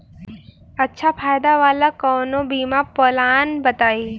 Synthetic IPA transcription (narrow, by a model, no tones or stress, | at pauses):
ɐtːʃʰapʰaːjd̪aʋaːlakɔːnõbiːmapɔlaːnbɐt̪aːi